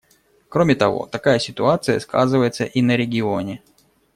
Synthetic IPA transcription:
kɾomʲɪt̪ɐvo̞̰t̪ɐkajəsʲɪt̪ʊat̪sɨjəskʰa̰zɨvəjɪt̪səʔinəɾʲɪɡʲɪo̞nʲɪ

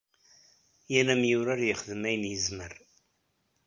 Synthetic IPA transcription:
jænæmjʊɾaɾjəχəðəmæjənjəzməɾ

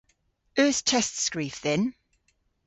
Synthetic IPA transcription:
ɜˑθt͡ʃʰɛstskɹiˑfðɛ̃n

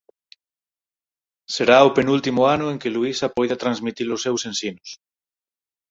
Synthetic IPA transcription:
seɾaopenult̪imoanʊeŋkeluisapojðat̪ɾanzmit̪ilosːewsensinos

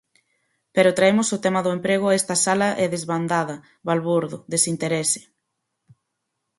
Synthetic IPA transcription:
peɾʊt̪ɾaemʊsʊt̪ɛmɐðʊempɾeɣ̞ʊaest̪ɐsalɐʔɛðezβand̪aðɐ | βalβuɾðʊ̰ðesint̪eɾesɪ̥

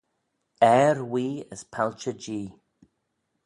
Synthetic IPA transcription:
ɛːɹwiːəspʰalt͡ʃəd͡ʒiː

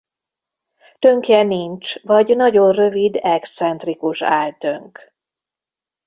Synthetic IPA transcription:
t̪ø̞ŋkjɛniɲt͡ʃvɒɟnɒɟo̞nrø̞vid̪ɛkssɛnt̪rikuʃa̰ːlt̪øŋk

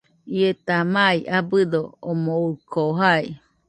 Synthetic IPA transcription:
iet̪amaiabɨd̪oomoukʰoɦai

